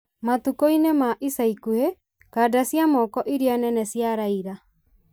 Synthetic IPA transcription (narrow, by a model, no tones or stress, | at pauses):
matukoinemaʔisaikuhe | kadasjamɔkɔʔiɾianɛnɛsjaɾaiɾa